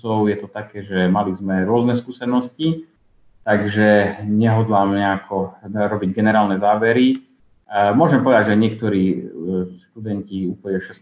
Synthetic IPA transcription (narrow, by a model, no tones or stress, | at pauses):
ɔʊjɛt̪ɔt̪akɛːʒɛmalizmɛɾʊɔznɛskuːsɛnɔsci | t̪aɡʒɛɲɛɦɔd̪lamɲɛakʰɔɾɔbiɟɡɛnɛɾaːlnɛzaːʋɛɾi | mʊɔʒɛmpɔʋɛd̪aɟʒaɲɪɛk̚t̪ɔɾiː | ʃt̪ud̪ɛnciupɔɛʃɛs